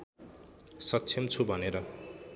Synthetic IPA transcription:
sʌtːsʰimt͡sʰubʱʌneɾʌ

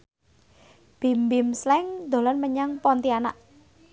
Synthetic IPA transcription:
b̥i̤mbimslɛŋd̪o̤lɔnməɲaŋpɔnt̪iana̰ʔ

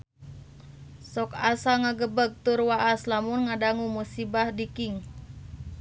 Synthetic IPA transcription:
sɔkasaŋaɡəbək̚t̪urwaʔaslamunŋadaŋumusibahdikiŋ

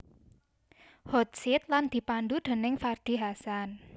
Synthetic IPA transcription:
hɔt̪̚sɪt̪̚land̪̥i̤pand̪ud̪̥e̤nɪŋfard̪̥i̤ɦasan

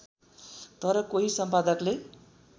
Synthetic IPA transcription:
t̪ʌɾʌkoɦisʌmpad̪ʌkle

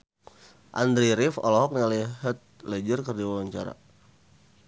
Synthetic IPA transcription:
ʔa̰nd̪ɾiɾɪfɔ̰lɔɦɔk̚nialɛɦət̪̚lɛd͡ʒərkərdiwawaɲt͡ʃa̰ɾa̰

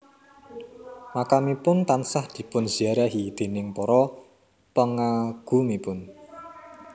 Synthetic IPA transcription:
makamipʊnt̪ansahd̪̥i̤pʊnz̥iaɾaɦid̪̥e̤nɪŋpɔɾɔ | pəŋaɡ̥ṳmipʊn

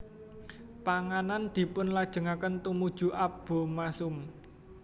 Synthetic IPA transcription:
paŋanand̪̥i̤pʊnlad̥ʒ̥ə̤ŋakənt̪umud̥ʒ̥ṳʔab̥o̤masʊm

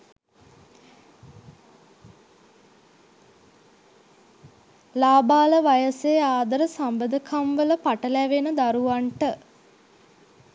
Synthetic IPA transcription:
laːbaːləʋajəseaːd̪əɾəsambəd̪əkʰamʋələpaʈəlæʋenəd̪aɾuʋaɳʈə

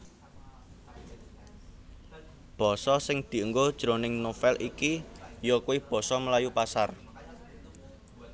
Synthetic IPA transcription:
b̥ɔ̤sɔsɪŋd̪̥i̤əŋɡod̥ʒ̥ɾonɪŋnofɛlʔikijɔkuwib̥ɔ̤sɔməlajupasar

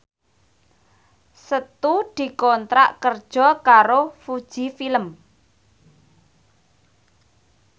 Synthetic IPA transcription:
sət̪ud̪̥i̤kɔnt̪ɾa̰ʔkərd̥ʒ̥ɔ̤kaɾofud̥ʒ̥ifiləm

